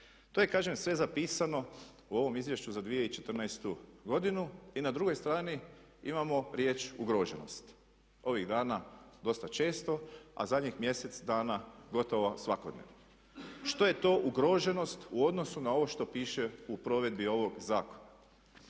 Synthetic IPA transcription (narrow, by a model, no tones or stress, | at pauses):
t̪oje̞kaːʒemsʋe̞zapiːsano̞ | uo̞ʋo̞mizʋje̞ʃt͡ɕuzad̪ʋijeit͡ʃe̞t̪r̩najst̪uɡo̞d̪inuinad̪ɾuɡo̞jst̪ɾaːni | imamo̞ɾje̞ːt͡ʃuɡɾoʒeno̞̰st̪ | o̞ʋiɣd̪aːnad̪o̞st̪at͡ʃe̞ːst̪o̞a̰zad̪ɲixmje̞se̞t̪sd̪aːnaɡo̞t̪o̞ʋasʋakod̪nḛʋno | ʃt̪o̞je̞t̪o̞ːʔuɡɾo̞ʒe̞no̞st̪uo̞d̪no̞sunao̞ʋo̞ʃt̪o̞piːʃe̞upɾo̞ʋe̞d̪bio̞ʋo̞ɡzaːkona